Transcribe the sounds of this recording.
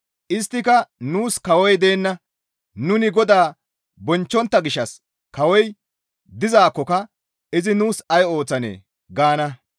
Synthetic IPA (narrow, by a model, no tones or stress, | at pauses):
ʔɪst̪ːɪkɐnuːskɐwɔjd̪e̞ːnːɐ | nʊnɪɡɔd̪aː | bɔnt͡ʃːɔnt̪ːɐɡɪʃːɐs | kɐwɔj | d̪ɪzaːkːɔkɐ | ɪzɪnuːsɐjo̞ːt͡sːɐnḛː | ɡaːnɐ